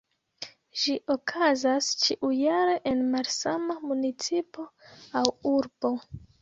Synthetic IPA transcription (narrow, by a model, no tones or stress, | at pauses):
ʒiʔo̞kʰazast͡ʃiʔujaɾe̞ʔenmalsamamunit͡sipo̞awuɾbo̞